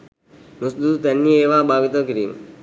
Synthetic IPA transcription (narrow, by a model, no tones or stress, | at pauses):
nusd̪ud̪t̪ɛnːieːʋaːbʱaːʋit̪əkiɾḭːm